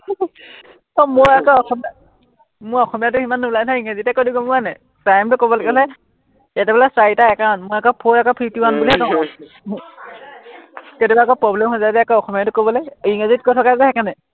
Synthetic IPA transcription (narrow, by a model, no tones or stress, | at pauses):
ɔmoakɔɔxɔmia | mʊɹɔxɔmijatʊhimanːublanʰaiŋɡezitɛkodiɡɔmʊanɛ | pɹajmtʊkobɔlɔɡɛbʰɦɔlɛ | jatɛpɛlasaitaɛkaɹɔnmʊakɔpʰoakɔpʰitiwanbuliɛkã | ketibakɔpɹɔblɛmhɔzadɛakɔɔxɔmijatʊkobɔlɔjiŋɡezit̚kotʰɔkazɛhɛkanɛ